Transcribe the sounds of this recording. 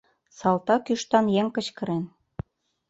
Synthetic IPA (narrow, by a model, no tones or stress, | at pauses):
sɑlt̪ɑkyʃt̪ɑnjeŋkə̆t͡ɕkə̆ɾen